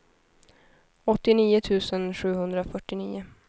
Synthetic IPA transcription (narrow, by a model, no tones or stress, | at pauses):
ɔt̪ːɪniːʊt̪ʰʉ̟ːsənɧʉ̟ːɦɵnd̪ɾafœʈːɪniːʊ